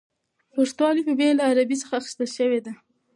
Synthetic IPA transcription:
puʂt̪wɑlipəbelaːɾabit͡səxaːxɪ̥st̪əlʃəwed̪a

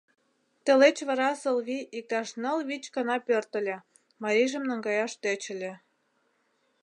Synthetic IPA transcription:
t̪ĕlet͡ɕβɑ̆ɾɑsɤ̆lβiʔik̚ɑʃnɤ̆lβit͡ɕkɑnɑpørt̪ə̆lʲĕ | mɑɾiʒə̆mnəŋɡɑjɑʃt̪øt͡ɕə̆lʲĕ

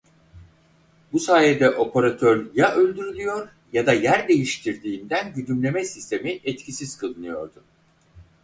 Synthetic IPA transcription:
busaːjɛd̪ɛʔo̞pʰaɾat̪ʰøɾjaʔølʲd̪yɾylʲyjo̞ɾ | jad̪ajæɾd̪e̞jiʃt̪ʰiɾd̪iːnd̪ænɟyd̪ymlʲe̞mɛsist̪ʰe̞miʔɛt̪cʰisiz̥kʰɯlˠɯnɯjo̞̰ɾd̪ʊ

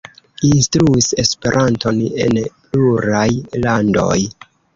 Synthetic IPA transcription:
instɾuise̞spe̞ɾʔanto̞ne̞̰npluɾajlando̞̰j

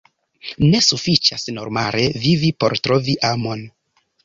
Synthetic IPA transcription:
ne̞sufit͡ʃasno̞̰ɾmale̞vivipo̞̰ɾtɾo̞viʔamo̞n

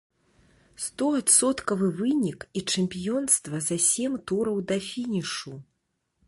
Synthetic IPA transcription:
st̪ɔat̪sɔt̪kɐvɨvɨnʲikit͡ʂɛmʲpʲijɔnst̪vɐzɐsʲɛmʲt̪uɾɐwd̪ɐfʲinʲiʂu

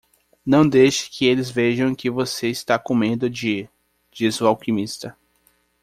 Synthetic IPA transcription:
nɐ̃w̃d̪ejʃɪ̥kʰɪelɪzveʒɐ̃w̃kɪvoseist̪akõmẽnd̪ʊd͡ʒɪ | d͡ʒizʊawkĩmist̪ɐ

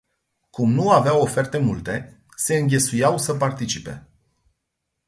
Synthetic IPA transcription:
kumnuaveawo̞fe̞rt̪e̞mult̪e̞ | se̞ɨŋɡʲe̞sujawsəpart̪it͡ʃipe̞̰

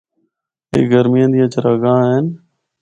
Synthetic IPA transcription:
ḛːɡəɾmijãːd̪ijãːt͡ʃəɾəɡãːɦen

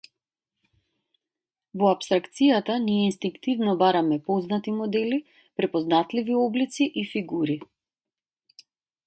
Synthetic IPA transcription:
vɔapst̪ɾakt̪sijat̪anijɛinst̪iŋkt̪ivnɔbaɾamɛpɔznat̪imɔd̪ɛli | pɾɛpɔznat̪liviɔblit̪siʔifiɡuɾi

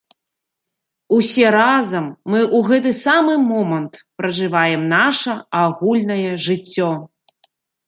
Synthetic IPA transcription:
usʲɛɾazɐmːɨʔuɣɛt̪̬ɨsamɨmɔmɐnt̪pɾɐʐɨvajɛmnaʂɐaɣulʲnɐjɛʐɨt͡sʲːɔ

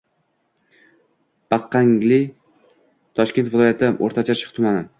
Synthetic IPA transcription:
b̥ɑqːaŋlɪ | t̪ʰɒʃkʲnt̪vɪlˠɒjat̪ʰɪʔo̰ɾt̪ʰat͡ʃʰaʃɪ̥qt̪ʰʊmanɪ

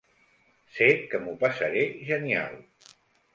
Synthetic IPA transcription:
sekəmupasəɾeʒənia̰lˠ

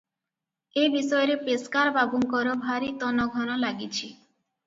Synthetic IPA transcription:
ebisɔjɔɾepeskaɾbabuŋkɔɾobʱaɾit̪ɔnɔɡʱɔnɔlaɡit͡ɕʰi

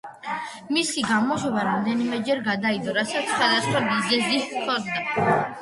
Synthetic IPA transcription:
misiɡamɔʃwɔbaɾamd̪ɛnimɛd͡ʒɛɾɡad̪aid̪ɔɾasat̪ssχwad̪asχwabizɛzissʰɔd̪na

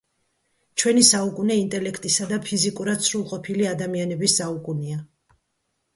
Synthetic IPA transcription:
t͡ʃʰwɛnisaukʼunɛint̪ʼɛlɛkʰt̪ʼisad̪apʰizikʼuɾad̪sʰɾulˠqʼɔpʰiliad̪amianɛbisːaukʼunia

